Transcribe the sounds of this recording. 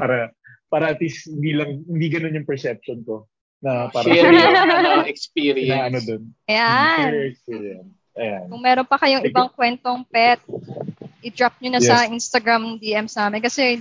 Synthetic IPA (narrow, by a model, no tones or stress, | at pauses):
paːɾɐ | paːɾɐʔɐt̪lishɪnd̪iːlɐŋhɪnd̪iːɡɐnonjʊŋpɛɹsɛp̚ʃonk̪o | nɐpaːɾɐ | ɐɛkspiːɾiɛnɐnod̪onjanɛkspiːɾɛn | ɐjankʊŋmɛːɾonpɐkɐjoŋɪbaŋkwɛnt̪oŋpɛt̪̚ʔɪd̪ɾap̚ɲonɐjsɐʔinst̪ɐɡɾamd̪iːʔɛmsnaːmɛnkɐsɛ